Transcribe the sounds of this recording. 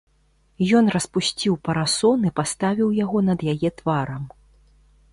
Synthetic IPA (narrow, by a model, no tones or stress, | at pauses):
jɔnrɐspusʲt͡sʲiwpɐɾasɔnɨpast̪avʲiwjaɣɔnɐd̪jajɛt̪vaɾɐm